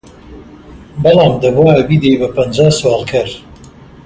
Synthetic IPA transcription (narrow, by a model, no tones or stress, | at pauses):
bɨlˠɑːmd̪ɐbwaɐbiːd̪ejbɐpɐnd͡ʒaːswɑːlˠkʰɐɾ